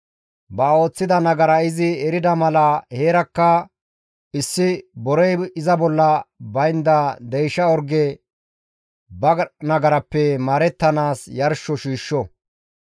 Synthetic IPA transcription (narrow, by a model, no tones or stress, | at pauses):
bɐo̞ːt͡sːɪd̪ɐnɐɡɐɾɐɪzɪɛɾɪd̪ɐmɐlɐheːɾɐkːɐ | ɪsːɪbɔɾɛjɪzɐbɔlːɐbɐjnd̪ɐd̪ɛjʃɐɔɾɡɛ | bɐnɐɡɐɾɐpːɛmaːɾɛt̪ːɐnaːsjɐɾʃːɔʃiːʃːɔ